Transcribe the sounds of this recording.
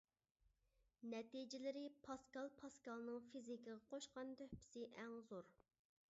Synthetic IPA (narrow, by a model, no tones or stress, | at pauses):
nɛt̪id͡ʒɪlɪɾɪpʰɑskɑlˠpʰɑskɑlˠnɨŋfizikɪʁɑqʰoʃqɑnd̪øhpʰɪ̥sɪʔɛŋzoɾ